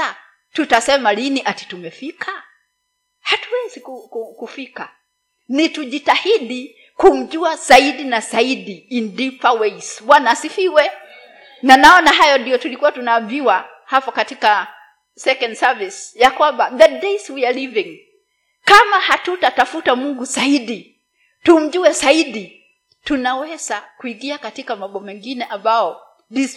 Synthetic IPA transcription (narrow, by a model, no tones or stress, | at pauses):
a | tutasɛmaliniʔati̥tumɛfikʰa | hatuwɛzikukukufika | nituʄitahiɗi | kum̩ʄuaz̥aiɗinazaiɗiːndipawɛiswanaːsifiwɛ | nanaɔnaɦajɔndijɔtulikuwatunaːviwa | hapɔkatika | sɛkɔndsavisjakwambaðɛdeswialivĩŋ | kamahatutatafutamuŋɡuzaiɗi | tum̩ʄuɛzaiɗi | tunawɛzakuiɡiakatikamaɓɔmɛŋɡinɛʔambaɔ | ðis